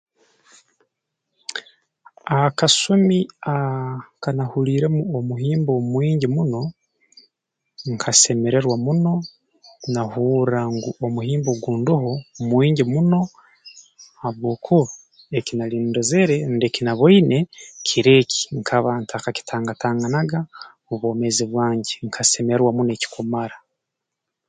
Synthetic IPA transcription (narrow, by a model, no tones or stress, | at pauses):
akasomiakanahuɾiːɾe̞muomuɦiːmbo̞mwiːɲɟimuno̞ | ŋkʰase̞me̞ɾe̞ɾwamuno̞ | nahuːɾaŋɡuomuɦiːmboɡuːnduɦomwiːɲɟimuno̞ | haβwo̞ːkʰuβa | ecinaliːndoze̞ɾe̞nde̞kinaβoine̞kʰiɾe̞ːcʰi̥ŋkʰaβantakaci̥tʰaːŋɡataːŋɡanaɡa | oβoːme̞ziβwaːɲɟeŋkʰase̞meeɾwamuneci̥kumaɾa